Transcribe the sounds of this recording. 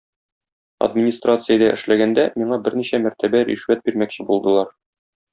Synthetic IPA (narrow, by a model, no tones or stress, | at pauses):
ɐ̰d̪mʲɪnʲist̪rat̪sɨjəd̪æʔɘ̆ʃlæɡænd̪æmiɴɑbɘɾniɕæmæɾt̪æbæɾḭʃwæt̪̚biɾmækɕɘbulˠd̪ɤ̆lˠɑɾ